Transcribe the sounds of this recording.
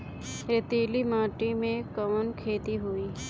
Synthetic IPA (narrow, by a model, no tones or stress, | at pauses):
ɾet̪iːlimaːʈimẽkəʋənkʰeːt̪iɦʊiː